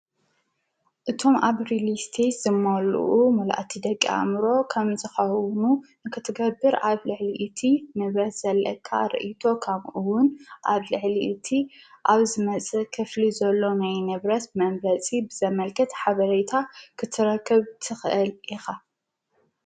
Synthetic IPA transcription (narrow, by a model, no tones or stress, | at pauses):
ʔɨt̪ʰo̞mʔaβɾilist̪ʰesz̥ɨmːɐl̰ʔumɐlʔat̪ʰid̪ɐkʼːia̰mɾo̞kʰɐmzɨxɐwnunɨkʰɨt̪ʰɨɡɐbːɨɾaβlɨʕliʔit̪ʰinɨβɾɐt̪z̥ɐlːɐ̰kʰːa̰ɾɨ̰ʔit̪ʰo̞kʰɐmʔuwʊnʔaβlɨʕliʔːt̪ʰiʔaβzɨmɐt͡sʼɨkʰɨflizɐlːo̞najnɨβɾɐt̪mɐmbɾɐt͡sʼibɨzɐmɐlkʰɐt̪ħaβɐɾet̪ʰakʰɨt̪ʰɨɾɐkʰːɨβt̪ʰɨxʔɨlʔixa